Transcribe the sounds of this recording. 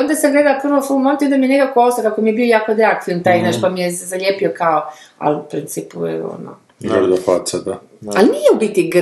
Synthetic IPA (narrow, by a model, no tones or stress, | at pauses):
ond̪asaŋɡled̪alapr̩ʋofulmont̪iond̪amijenekakoosakakomijebiojaːkod̪ɾeak̚t̪int̪aːjnaːʃpamijezaʎepiokaoa̰lupɾint̪siːpuɛ̰o̰no̰ | ɡɾd̪opa̰sad̪a | alnijɛbit̪iɡ